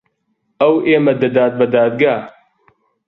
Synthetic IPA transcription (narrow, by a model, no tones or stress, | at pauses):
ɐwʔeːmɐd̪ɐd̪aːt̪̚bɐd̪aːd̪̚ɡaː